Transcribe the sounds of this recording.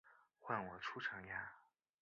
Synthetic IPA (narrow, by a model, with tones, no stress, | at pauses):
xwa˥˩nwɔ˨˩ʈ͡ʂʰu˥ʈ͡ʂʰɤ˧˥ŋja˥